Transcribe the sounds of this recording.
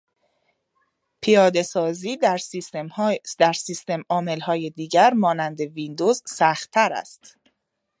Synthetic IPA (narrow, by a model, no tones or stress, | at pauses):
pʰijɒːd̪e̞sɒːziː | d̪̥æɾsist̪e̞mɒːme̞lhɒːjed̪iːɟæɾmɒːnænd̪e̞vind̪ozsæxt̪ʰːæɾæ̰st̪